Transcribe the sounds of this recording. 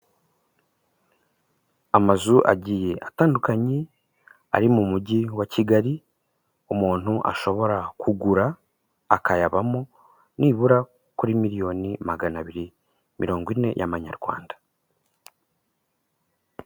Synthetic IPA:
amazuʔaɟiːje̞ʔataːndukaɲi | a̰ɾimumuɟiwaciɡaɾi | umuːn̥huʔa̰ʃo̞βo̞ɾakʰuɡuɾaː | kajaβamo | niːβuɾa | kuɾimiɾijo̞nimaɡanaβiɾi | mʔḭɾo̞ːŋɡwine̞jʔamaɲa̰ɾɡwa̰ːndḁ

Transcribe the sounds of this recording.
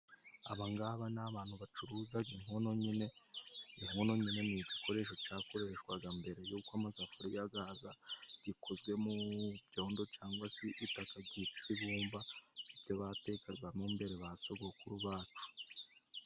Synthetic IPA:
a̰βaŋɡaβanaβaːn̥huβat͡ʃuɾuːzaɡiŋ̥hono̞ɲine̞iŋ̥hono̞ɲine̞miɟiko̞ɾe̞ːʃo̞t͡ʃaːko̞ɾeʃwaɡambe̞ɾe̞juːkamazafoɾijaɡaːzaɟ̥ikʰozɡwe̞muβɟo̞ːndo̞t͡ʃaːŋɡwasiʔitakaɟitiβuːmvaibɟoβate̞kaɾɡwamumbe̞ɾeβasoɡokuɾuβaːt͡ʃu̥

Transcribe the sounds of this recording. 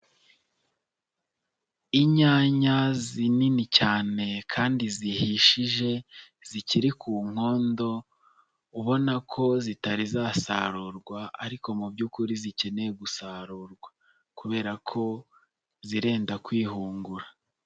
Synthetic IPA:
iɲaːɲazininicaːne̞kʰaːndizihiʃiʒe̞ | z̥iciɾikʰuːŋ̥ho̞ːndo̞ | uβo̞nakʰo̞zitaɾizaːsa̰ɾuːɾɡwaaɾiko̞mubɟukuɾizice̞neeɡusaɾuɾɡwa | kuβe̞ːɾakʰo̞ | ziɾe̞ːndakwiːɦuːŋɡuɾa

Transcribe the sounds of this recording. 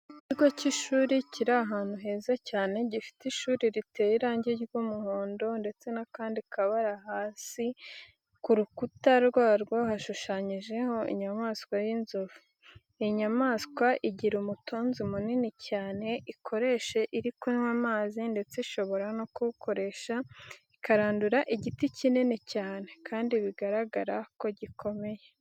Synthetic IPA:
iciɡociʃuːɾiciɾaːɦaːn̥huɦe̞ːzacaːne̞ɟifi̥tiʃuːɾiɾite̞jiɾaːɲɟiɡumuhoːndo̞nde̞t͡se̞nakaːndikaβaɾahaːsi | kuɾukutaɾɡwaːɾɡwohaʃuʃaɲiʒe̞ho̞ḭɲamaːskwajinzovu | ejiɲamaːskwaʔiɟiɾumutʰoːnzimuninicaːne̞ʔikʰo̞ɾe̞ʃe̞ʔiɾikunwamaːzinde̞t͡seʃo̞βo̞ɾanokuβukʰo̞ɾe̞ːʃaikaɾaːnduɾaʔiɟiticininicaːne̞kaːndiβiɡaɾaɡaɾako̞ɟikʰo̞me̞je

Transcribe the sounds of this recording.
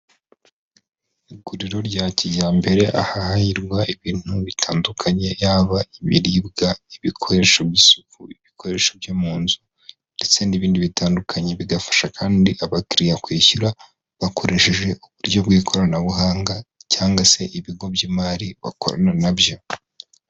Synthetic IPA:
iɡuɾiɾo̞ɾɟaːcijaːmbe̞ɾe̞ʔa̰hahahiɾɡwaiβiːn̥huβitʰaːndukʰaɲe̞jaːβaiβḭɾiːbɡaiβikʰo̞ɾe̞ʃobjisu̥kuiβikʰo̞ɾe̞ʃobjomuːnzu | nde̞t͡se̞niβiːndiβitaːndukʰaɲe̞βiɡafḁʃakʰaːndiʔaβakiɾijakwiːçuɾa | βakʰo̞ɾe̞ʃe̞ʒe̞ʔuβuɾɟo̞bɡiːkʰo̞ɾanaβuɦaːŋɡacaːŋɡase̞ʔiβiɡo̞bɟiːmaːɾiβa̰ko̞̰ɾa̰nanabjo̞

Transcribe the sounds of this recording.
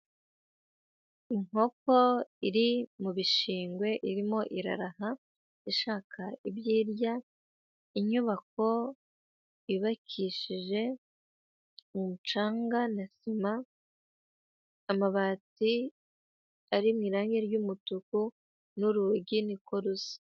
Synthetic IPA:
iŋo̞ko̞iɾimuβiʃiːŋɡwe̞ʔiɾimo̞ʔiɾa̰ɾaha | iʃaːkʰaibjiːɾja | iɲuβak̚o̞ | iβakʰiʃiʒe̞ | mumut͡ʃaːŋɡanasima | maβaːti | aɾimŋiːɾaːŋɡeɾjuːmutuku | nuɾuɟiniko̞ɾusi̥

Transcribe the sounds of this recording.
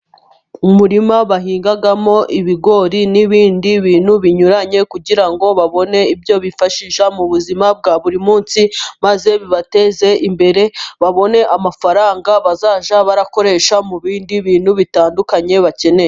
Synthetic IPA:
umuɾimaβaɦiːŋɡaɡamo̞ʔiβiɡo̞ɾiniβiːndiβiːnhuβiɲuɾaɲe̞kuɟiɾaŋɡo̞βaβo̞ne̞ibjo̞βifaʃiʃamuβuzimab̚ɡaβuɾimuːnsimaze̞βiβate̞ze̞ʔimbe̞ɾe̞βaβo̞ne̞ʔamafaɾaːŋɡaβazaːʒaβaɾako̞ɾe̞ʃamuβiːndiβiːnhuβitaːndukaɲe̞βace̞ne̞je

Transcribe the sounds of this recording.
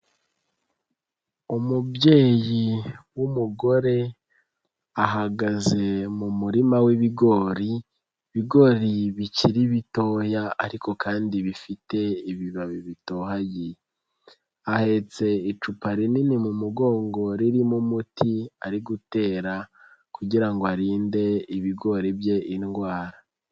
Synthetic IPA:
umubje̞ːjiwumuɡo̞ɾe̞ | aɦaɡaze̞mumuɾimawiβiɡo̞ɾi | βiɡo̞ɾiβiciɾiβito̞jaaɾiko̞kʰaːndiβifite̞iβiβaβiβito̞ɦaji | ahe̞t͡se̞it͡ʃupaɾininimumuɡo̞ːŋɡo̞ɾiɾimumutʰiaɾiɡute̞ːɾa | kuɟiɾaŋɡoaɾiːnde̞iβiɡo̞ɾibje̞ʔinɡwaːɾa

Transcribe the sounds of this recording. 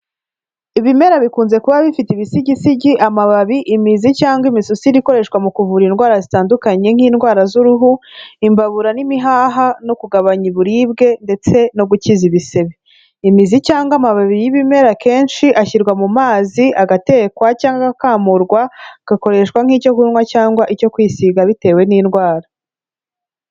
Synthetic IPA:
iβime̞ɾaβikuːnze̞kuβaβifiteiβisiɟisiɟiʔamaβaβiʔimizicaːŋɡimisusiɾiko̞ɾe̞ʃkwamukuvuɾinɡwaːɾazitaːndukaɲe̞ŋ̥hiːnɡwaːɾazuɾuɦuimbaβuɾanimiɦaːɦano̞kuɡaβaɲiβuɾiːbɡe̞nde̞t͡se̞no̞ɡuciziβise̞βe | imizicaːŋɡamaβaβiɾijiβime̞ɾake̞ːnʃiʔaçiɾɡwamumaːziaɡate̞kwacaːŋɡaɡakaːmuɾɡwaɡ̥ako̞ɾe̞ʃkwaŋ̥ico̞kunŋwacaːŋɡwaʔijo̞kwiːsiɡaβite̞ːwe̞niːnɡwaːɾa

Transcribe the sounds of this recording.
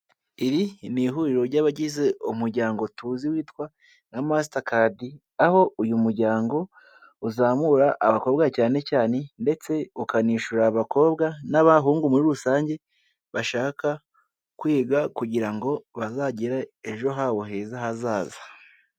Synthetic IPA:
iɾiniɦuɾiɾo̞ɾɟaβaɟize̞umuɾɟaːŋɡotuːziwiːtkwa | namas̬itakadi | aho̞ujumuɾɟaːŋɡo̞ | uzaːmuɾaʔːβako̞bɡacaːne̞caːne̞nde̞t͡se̞ukaniːʃuɾaβako̞ːbɡanaβaɦuːŋɡumuɾiɾusaːɲɟe̞ | βaʃaːka | kwiːɡakuɟiɾaŋɡo̞βazaɟiɾae̞ʒo̞ɦaβoɦe̞zaɦazaːzḁ

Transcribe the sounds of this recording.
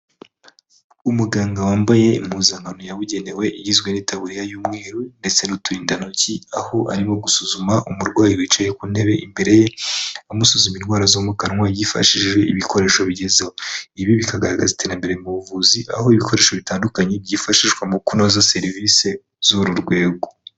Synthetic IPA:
umuɡaːŋɡawaːmbaje̞imhuzaŋɡanojaβuɟe̞ne̞we̞ʔijizɡwe̞nitaβuɾijajuːmŋeːɾunde̞t͡se̞nutuɾiːndanuciaho̞ʔa̰ɾimo̞ɡusuzumaʔumuɾɡwaːjiwit͡ʃejekuːn̥he̞βe̞ʔimbe̞ɾe̞jeamusuzuminɡwaːɾazomukanŋwajifa̰ʃiʒwe̞iβikʰo̞ɾe̞ːʃo̞βiɟe̞zewoiβiβikaɡaɾaɡa̰zitʰe̞ːɾambe̞ɾe̞muβuvuziʔa̰ho̞iβikʰo̞ɾe̞ːʃo̞βitaːndukaɲe̞bɟifaʃiʃɡwamukunozase̞ɾvise̞ | zuɾuɾɡwe̞ːɡo

